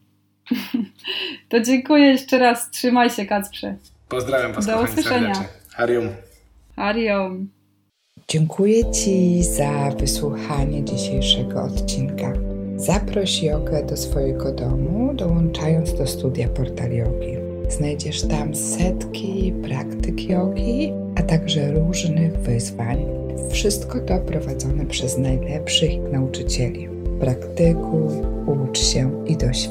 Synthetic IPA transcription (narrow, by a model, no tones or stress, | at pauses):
t̪ɔd͡ʑɛŋkujɛjɛʂt͡ʂɛɾastʂɘmajɕɛkat̪pʂɛ | pɔzd̪ɾavʲjamd̪ɔuswɨʂʂɛɲa | xaɾjɔm | xaɾjɔm | d͡ʑɛŋkʰujɛt͡ɕizavɘswuxaɲɛd͡ʑiɕejʂɛɡɔɔt̪t͡ɕinkaz̥apɾɔɕijɔɡɛd̪ɔsfɔjɛɡɔd̪ɔmuud̪ɔwɔnt͡ʂajɔnt̪zd̪ɔst̪ud̪ʲjapɔɾt̪alʲjɔɡʲi | z̥najd͡ʑɛʂt̪amsɛt̪kʲipɾakt̪ɘkʰʲjɔɡʲi | at̪aɡʐɛɾuʐnɘɣvɘzvaɲ | fʂɘst̪kɔt̪ɔpɾɔvad̪zɔnɛpʂɛznajlɛpʂɘxnaut͡ʂɘt͡ɕɛlʲi | pɾakt̪ɘkʰufut͡ʂɕɛid̪ɔɕ